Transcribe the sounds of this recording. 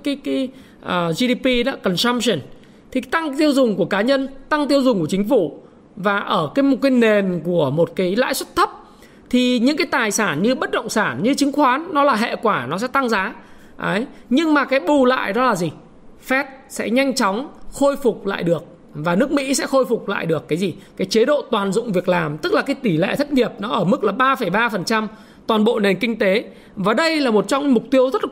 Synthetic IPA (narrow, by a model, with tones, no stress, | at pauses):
kaː˨˦jkaː˨˦ | ʔəː˨˩zi˧ɗi˧pi˧ɗɔ̰˧˥kə˨˩nsa˧msi˨˩n | t̪ʰi˨˩t̪a˧ŋt̪i˧əwzʊ˨˩ŋ͡mku˧˩əkaː˨˦ɲə˧nt̪a˧ŋt̪i˧əwzʊ˨˩ŋ͡mku˧˩t͡ɕŋ̟fu˧˩ | vaː˨˩ʔəː˧˩kaː˨˦jmo˨˩t̚kaː˨˦jne˨˩nku˧˩əmo˨˩t̚kaː˨˦jla̰ː˧˥jswə˦˥t̚t̪ʰə˦˥p̚ | t̪ʰi˨˩ɲɨ̰˧˥ŋkaː˨˦jt̪aː˨˩jsaː˧˩nɲɨ˧ɓə˦˥t̚ɗə̰˧˨wŋ͡msaː˧˩nɲɨ˧t͡ɕï˨˦ŋ̟xwaː˨˦nːɔ˨˦laː˨˩ɦḛ˧˨kwaː˧˩nɔ˨˦s̬ɛ̰˧˥t̪a˧ŋzaː˨˦ | ʔə˨˦jɲɨ˧ŋmaː˨˩kaː˨˦jɓu˨˩la̰ː˧˨jɗɔ˨˦laː˨˩zi˨˩ | fɛ˦˥t̚sɛ̰˧˥ɲa˧jŋ̟t͡ɕɔ˨˦wŋ͡mxo˧jfʊ˨˩k͡p̚la̰ː˧˨jɗɨ˨˩ək̚ | vaː˨˩nɨ˦˥ək̚mḭ˧˥sɛ̰˧˥xo˧jfʊ˨˩k͡p̚la̰ː˧˨jɗɨ˨˩əkːaː˨˦jzi˨˩kaː˨˦jt͡ɕe˨˦ɗo̰˧˨t̪waː˨˩nzʊ̰˧˨ŋ͡mvi˨˩ək̚laː˨˩mt̪ɨ˦˥k̚laː˨˩kaː˨˦jt̪i˧˩lḛ˧˨t̪ʰə˦˥t̚ŋi˨˩əp̚nɔ˨˦ʔəː˧˩mɨ˦˥k̚laː˨˩ɓaː˧fə˧˩jɓaː˧fə˨˩nt͡ɕa˧m | t̪waː˨˩nɓo̰˧˨ne˨˩nkï˧ŋ̟t̪e˨˦ | vaː˨˩ɗə˧jlaː˨˩mo˨˩t̚t͡ɕɔ˧wŋ͡mmʊ˨˩k͡p̚t̪i˧əwzə˦˥t̚